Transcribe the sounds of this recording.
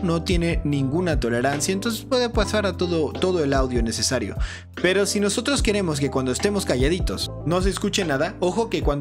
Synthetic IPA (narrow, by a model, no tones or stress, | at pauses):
no̞t̪je̞ne̞nĩŋɡunat̪o̞le̞ɾansjaent̪o̞ns̬e̞spwe̞ðe̞pasaɾat̪o̞ðot̪o̞ðo̞e̞lawðjo̞ne̞se̞saɾjo̞̰ | pe̞ɾo̞sino̞so̞t̪ɾo̞ske̞ɾe̞mo̞s̬ke̞kwand̪oest̪e̞mo̞skaʝaðit̪o̞s | no̞s̬eːskut͡ʃe̞naðao̞xo̞ke̞kwand̪